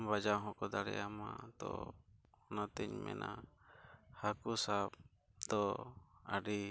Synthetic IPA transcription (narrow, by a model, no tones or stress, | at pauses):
mbad͡ʒaɦɔ̃kɔd̪aɽɛ̰jama̰t̪ɔ̰ː | nat̪ɛɲmɛ̰nʔa | hakusab̚ | d̪ɔaɖi